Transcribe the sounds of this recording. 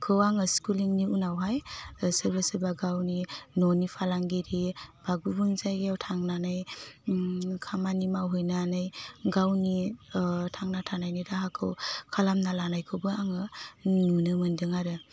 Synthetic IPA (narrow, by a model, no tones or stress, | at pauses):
kʰɯwaŋɯskuliŋniunawɦajsɯbasɯbaɡawninɔnipʰalaŋɡiɾib̥aɡubuŋzajɡiawtʰaŋnanaj | kʰamanimawɦɯjnanɯjɡawni | tʰaŋnatʰanajniɾaɦakʰɯwkʰalamnalanajkʰɯwbɯaŋɯnunɯmɯndɯŋaɾɯ